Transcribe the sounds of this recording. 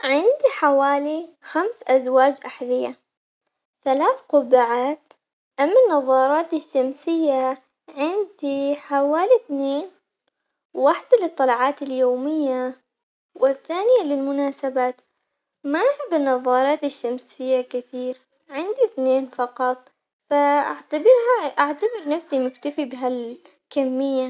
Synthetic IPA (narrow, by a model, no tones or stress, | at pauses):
ʕɪnd̪iħawaːlixamsʔazwaːd͡ʒʔaħðɪja | θalaːθqʊbaʕaːt̪ | ʔamːanːɑðˤːɑːɾˤɑːt̪ɪʃːamsɪjːa | ʕɪnd̪iħawaːliθneːn | waħd̪alɨt̪ˤːɑlʕɑːt̪ɪljoːmɪjːa | wɪθːaːnɪjalɪlmʊnaːsabaːt̪ | maʔʕɪb̪ɪnːɑðˤːɑːɾˤɑːt̪ɪʃːamsɪjːakɪθiːɾ | ʕɪnd̪iθneːnfɑqɑt̪ˤ | faʔaʕt̪abɪɾɦaʔaʕt̪abɪɾnafsimʊkt̪afibɪɦal | kamːɪjːa